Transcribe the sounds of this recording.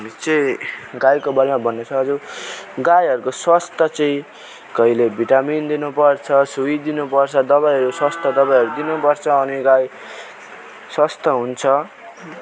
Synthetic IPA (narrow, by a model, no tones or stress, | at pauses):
aɦmit͡sʌĩɡajkobʌɾemabʱʌnːet͡sʰʌɦʌd͡zuɡajɦʌɾukoswʌst̪ʌt͡sʌĩ | kʌilebʱiʈamind̪inupʌrt͡sʰʌsuid̪inupʌrt͡sʰʌd̪ʌβajɦʌɾuswʌst̪ʰʌd̪ʌbajɦʌɾud̪inupʌrt͡sʰʌːniɡaj | swʌst̪ʌɦunt͡sʰʌ